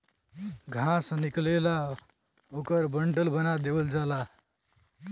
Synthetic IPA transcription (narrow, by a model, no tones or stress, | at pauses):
ɡʱãsə̃niklela | okəɾbəɳɖəlbənad̪ebəld͡ʒala